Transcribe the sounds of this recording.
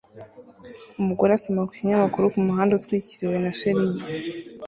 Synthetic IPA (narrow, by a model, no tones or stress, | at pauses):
umuɡo̞ɾeasomakwi̥ciɲamakuɾukumuɦaːndeutkwiːciɾiwe̞naʃeɾiji